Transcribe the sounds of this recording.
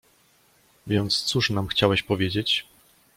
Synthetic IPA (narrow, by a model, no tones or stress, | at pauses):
vʲjɛnt̪st̪suʂnamxt͡ɕawɛɕpɔvʲjed͡ʑet͡ɕ